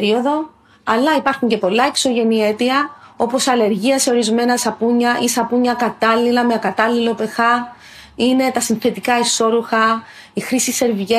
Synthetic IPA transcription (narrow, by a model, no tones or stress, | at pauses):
ɾio̞ðo̞ | ɐlːɐipɐɾxuɲce̞po̞lːɐekso̞ʝe̞nie̞t̪iɐo̞po̞sɐle̞ɾʝiɐse̞o̞ɾizme̞nɐsɐpuɲːɐʔisɐpuɲɐkɐt̪ɐlːilɐmekɐt̪ɐlːilo̞pe̞xɐ | ine̞t̪ɐsinθe̞t̪ikɐiso̞ɾuxɐ | ixɾisise̞ɾviʝe